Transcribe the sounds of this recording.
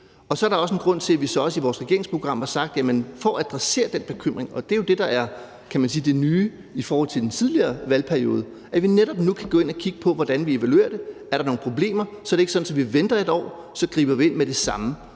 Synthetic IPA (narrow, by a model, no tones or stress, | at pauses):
ɒ̽sɒɐɾ̥ɑɒ̽s̬əen̩ɡ̥ʁɔ̽n̰t͡sʰe̝læʋisɒ̽ɒ̽siʋɒːsʁɛɡ̥e̝ɐe̝ŋspʰʁo̝ɡ̥ʁɑ̈m̰hɑ̈sɑ̈ɡ̥̚d̥jæmənfɒæd̥ʁase̝̰ːɐd̥en̰b̥e̝kʰøm̰ʁeŋɒ̽d̥e̝jo̝d̥e̝d̥ɑ̈æɐ | kʰæmænsiːd̥e̝nyː | ifɒːhɒ̽l̰t͡sʰe̝ld̥ent͡sʰið̞ˠliɐːʋælpʰæɐio̝̰ːð̞ˠə | ʔæʋineɾ̥ɒ̽b̥nukʰæɡ̥ɔ̽ːe̝n̰ækʰiɡ̥əpʰɒ̽ʋɒd̥ænʋie̝ʋælue̝̰ːɐd̥e̝æɐɾɑno̝ːŋ̩n̩pʰʁo̝b̥le̝̰ːmɐsɒ̽æɾe̝ɡ̥əsɒ̥̽n̩sɒ̽ʋiʋend̥ɐe̝dɒ̰ː | sɒ̽ɡ̥ʁḭːb̥ɐʋie̝nmed̥e̝sɑ̈mə